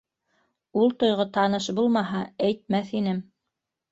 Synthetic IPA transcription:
ulˠt̪ŏjʁot̪ɑnɤʃbulˠmɑɦɑæjt̪̚mæθin̪ɘm

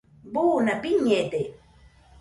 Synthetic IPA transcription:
buːnapiɲːet̪e

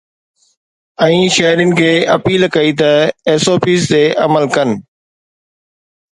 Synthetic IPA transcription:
ɛ̃ːʃɐɦɾinɪ̆kʰeːɐpiːlkɐiːt̪ɐeːsoːpiːst̪eːʔɐməlkɐn̆

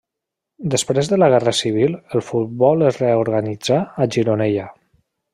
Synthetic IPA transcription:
d̪əspɾezðələɣɛrəsiβ̞ilˠəlˠfut̪̚bɔlˠəzreoɾɣənid͡zaːʒiɾonɛja

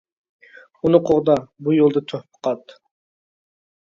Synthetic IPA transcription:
unɨqʰoʁd̪ɑbujolˠd̪ɑt̪ʰøhpʰə̥qʰɑt̪

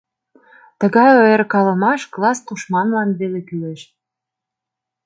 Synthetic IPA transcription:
t̪əɣɑjojerkɑləmɑʃklɑst̪uʃmɑnlɑnβelekyleʃ

